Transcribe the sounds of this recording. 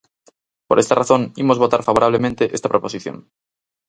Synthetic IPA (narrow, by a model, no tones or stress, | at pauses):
po̞ɾʔe̞st̪araθo̞nimo̞zβo̞t̪a̰ɾfaβ̞oɾaβ̞lemẽnt̪eʔest̪apɾopo̞siθjo̰n